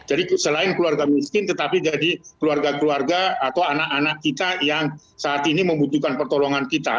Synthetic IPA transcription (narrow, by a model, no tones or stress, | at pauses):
d͡ʒadisəlaɪnkluarɡamiskɪnt̪ət̪apid͡ʒadikəluarɡakluarɡaːt̪awanaʔanaʔkit̪ajaŋ | saːt̪iniməmbut̪ukanpərt̪ɔloŋankit̪a̰